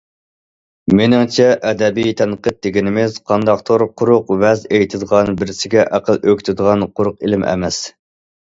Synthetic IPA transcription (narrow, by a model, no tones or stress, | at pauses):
menɪŋt͡ʃʰɛʔɛd̪ɛbijt̪ʰɛnqət̪̚d̪ɪɡʲinɪmɪz̥qʰɑnd̪ɑqt̪ʰoɾqʰʊɾʊqvɛzejt̪ʰɨd̪əʁɑnbɪɾɪsɪɡʲɛʔæqəlˠøkʲt̪ʰɪd̪əʁɑnqʰʊɾʊqelɪmʔɛ̰mɛs